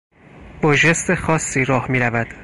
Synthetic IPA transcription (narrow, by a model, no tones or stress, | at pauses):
b̥ɒʒe̞st̪exɒːsːiːɾɒːhmiːɾævæd̪̥